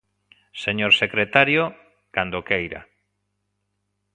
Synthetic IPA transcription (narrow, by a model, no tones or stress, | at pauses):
seɲoɾsekɾet̪aɾjo | kand̪okejɾa̰